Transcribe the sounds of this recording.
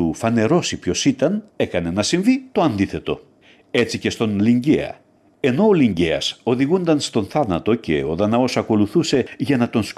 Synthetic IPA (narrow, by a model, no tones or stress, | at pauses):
ufɐne̞ɾo̞sipço̞sit̪ɐne̞kɐne̞nɐsiɱvit̪o̞ɐnd̪iθe̞t̪o̞ | e̞t͡sice̞st̪o̞nliɲɟḛɐ̰ | e̞no̞ːliɲɟeɐso̞ðiɣund̪ɐnst̪o̞nθɐnɐt̪o̞ce̞̰o̞ðɐnɐo̞sɐko̞luθuse̞ʝɐnɐt̪o̞ns